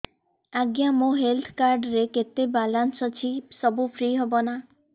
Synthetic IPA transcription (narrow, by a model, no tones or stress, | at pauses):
aɡjamoɦelt̪ʰkaɾɖɾeket̪ebalansɔt͡ʃʰisɔbupʰɾiɦebɔna